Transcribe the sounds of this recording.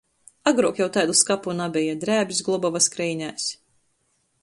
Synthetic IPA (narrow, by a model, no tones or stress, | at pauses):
aɡɾuɔkjawt̪ajd̪uskapunabʲɛjɛd̪ɾæːbʲsɡlˠɔbɔvaskɾɛjɲʲæːs